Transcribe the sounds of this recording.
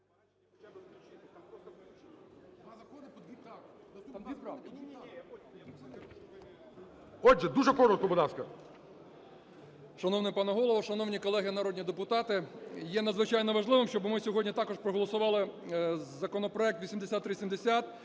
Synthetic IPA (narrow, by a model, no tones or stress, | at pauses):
ɐ | ɔd͡ʒɛd̪uʒɛkɔɾɔt̪̚kɔbɔlˠɑskɐ | ʃɐnɔwnɪpɑnɐɦɔlˠɔʋɐʃɐnɔwnʲikɔlˠɛɦɪnɐɾɔdʲnʲid̪epʊt̪ɑt̪ɪjɛnɐd̪zʋɪt͡ʃɑjnɔʋɐʒlˠɪʋɪmʃt͡ʃɔbmɪsʲɔɦɔdʲnʲit̪ɑkɔʃpɾɔɦɔlˠɔsʊʋɑlˠɪzzɐkɔnɔpɾɔɛk̚t̪ʋʲisʲimd̪esʲat̪ːɾɪsʲimd̪esʲat̪